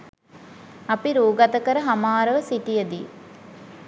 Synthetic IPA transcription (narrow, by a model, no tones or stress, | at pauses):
ɐpiɾuːɡɐt̪əkəɾəɦamaːɾəʋəsiʈijəd̪i